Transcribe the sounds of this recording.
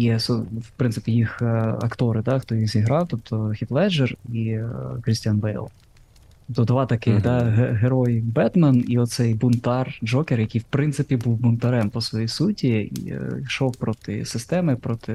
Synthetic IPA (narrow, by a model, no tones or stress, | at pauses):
jsɔwpɾɪntsɪ̥pʲijixɐ̰kt̪ɔɾɪd̪ɑxt̪ɔjixzʲiɦɾɑwt̪ɔp̚t̪ɔxʲiflˠɛd͡ʒerikɾɪsʲtʲanbɛjlˠ | tt̪ɔp̚t̪ɔd̪ʋɑt̪ɐkɪxd̪ɑɦeɦeɾɔjbɛd̪mɛniɔt̪sɛjbʊnt̪ɑrd͡ʒɔkerjɐkʲijwpɾɪnt̪sɪpʲibuwbʊnt̪ɐɾɛmpɔsʋɔjisutʲiḭʃɔwpɾɔt̪ɪ̰sɪst̪ɛmɪpɾɔt̪ɪ